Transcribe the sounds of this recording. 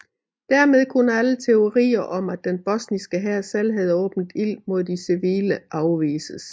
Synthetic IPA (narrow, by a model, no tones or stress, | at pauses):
d̥æɐ̰með̞ˠkʰo̝nəælət͡sʰe̝o̝ʁḭːɐʔɒ̽mæd̥enb̥ɒ̽snisɡ̥əɦæɐ̰sæl̰ɦæð̞̩ˠɔ̽ːb̥n̩d̥il̰mo̝ð̞̰ˠd̥isiʋḭːləʔɑ̈ʊʋḭːsəs